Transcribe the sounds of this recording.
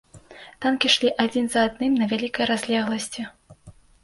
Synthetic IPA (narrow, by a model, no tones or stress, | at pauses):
t̪ankʲiʂlʲiʔad͡zʲinzɐːd̪nɨmnɐvʲalʲikɐjɾazʲlʲɛɣlˠɐsʲt͡sʲi